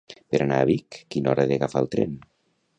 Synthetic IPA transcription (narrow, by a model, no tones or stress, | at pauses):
peɾanaːβ̞ikːinɔɾəðeɣafalˠt̪ɾḛn